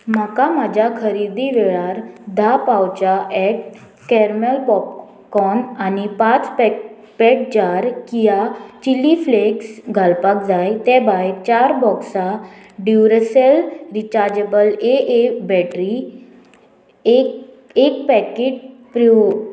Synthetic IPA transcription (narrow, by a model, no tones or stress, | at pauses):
makamad͡ʑʱakʰəɾid̪iʋɛɭaɾd̪ʱapawt͡ɕaʔɛʈ̚ | kɛɾməlpɔp̚ | kɔnanipat͡sp | pɛʈ̚d͡ʑaɾkijat͡ɕilːifleksɡʱalpak̚d͡zajt̪ɛ̃bajt͡ɕaɾbɔksa | ɖiwɾəselɾit͡ɕaɾd͡ʑebəleʔebɛʈɾi | ek | ek̚pɛked͡ʑpɾu